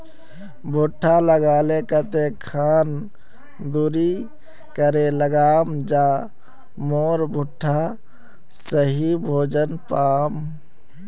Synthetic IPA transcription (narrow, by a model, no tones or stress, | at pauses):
bʱuʈʰːaləɡaːlekət̪ekʰaːn | d̪uɾi | kəɾeləɡaːmd͡ʒa | moɾbʱuʈʰːa | səɦibʱoːd͡ʒənpaːm